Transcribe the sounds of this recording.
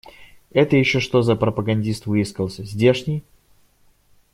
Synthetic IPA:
ɛt̪əjɪɕːoʂt̪o̞zəpɾəpəɡɐnʲdʲist̪vɨɪskəlˠsʲəzʲdʲe̞ʂnʲɪj

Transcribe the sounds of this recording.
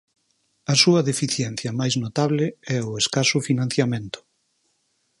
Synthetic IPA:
ɐsuɐðefiθjɛnθjɐmajznot̪aβ̞lɪɛʊeskasʊfinãn̟θjamẽnt̪ʊ̥

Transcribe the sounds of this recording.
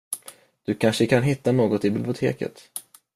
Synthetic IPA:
d̪̥ɵkʰanʂəkʰanɦɪt̪ːanoːɡɔt̪ɪbɪblɪʊt̪ʰḛːkə̰t̪

